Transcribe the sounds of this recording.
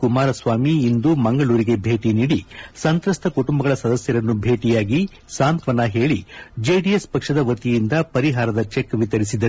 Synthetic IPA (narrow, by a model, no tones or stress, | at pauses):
kumaːɾɐsʋaːmiːnd̪umɐŋɡɐɭuːɾiɡe̞bʱe̞ːʈiniːɽisɐnt̪ɾɐst̪ʰɐkuʈumbɐɡɐɭɐsɐd̪ɐsjɐɾɐnːubʱe̞ːʈijaːɡi | saːnt̪ʋɐnɐɦe̞ːɭid͡ʒeːɖijespɐkʂɐd̪ɐʋɐt̪ijind̪ɐpɐɾiɦaːɾɐd̪ɐt͡ʃekːʋit̪ɐɾisid̪ːɐ